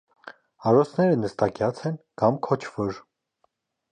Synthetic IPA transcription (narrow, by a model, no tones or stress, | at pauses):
ɑɾɔsʰnɛɾənəst̪ɑkjɑt͡sʰɛnkɑmkʰɔt͡ʃʰvɔɾ